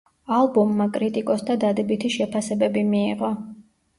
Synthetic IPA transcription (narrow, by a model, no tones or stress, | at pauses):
alˠbɔmːakʼɾit̪ʼikʼɔsd̪ad̪ad̪ɛbit̪ʰiʃɛpʰasɛbɛbimiːʁɔ